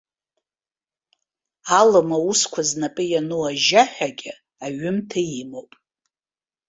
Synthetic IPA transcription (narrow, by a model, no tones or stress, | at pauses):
alɨmauskʷʰaznapʼɨjanuwaʒaħʷᶣaɡʲɪ | aɥɪmtʰaimowpʼ